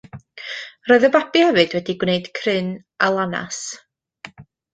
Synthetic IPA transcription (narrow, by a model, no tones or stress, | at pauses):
rɔɨðəbabihɛvɨdwɛdiɡwneɨd̥kʰrɪn | alˠana̰s